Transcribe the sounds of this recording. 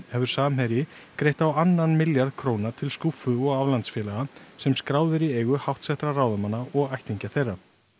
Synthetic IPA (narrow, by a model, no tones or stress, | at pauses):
hɛvʏɾ̥saːmɦɛɾjɪkɾeːjht̪awanːanmɪljaɾðkʰɾoːwnat̪ʰɪlskufʏɔɣavlant̪sfjɛːlaɣasɛmskɾaːwðɪɾieːjɣʏhawht̪sɛht̪ɾaraːwðamanːaɔɣajht̪iɲcaθejrːa